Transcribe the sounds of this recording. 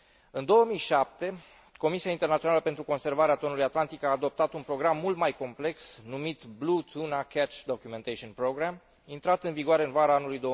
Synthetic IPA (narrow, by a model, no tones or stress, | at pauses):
ɨnd̪o̞wəmijʃap̚t̪e̞ | ko̞misiaint̪e̞rnat̪sionaləpe̞nt̪ɾuko̞nse̞rvaɾeat̪o̞nulujat̪lant̪ikaːd̪o̞p̚t̪at̪unpɾo̞ɡɾamːult̪majko̞mple̞ksnumit̪blut̪ʰunakʰɛt͡ʃd̪o̞kʲume̞nt̪eʃionpɾo̞ɡɾam | int̪ɾat̪ɨnviɡoaɾe̞ɨnvaɾaanulujd̪o̞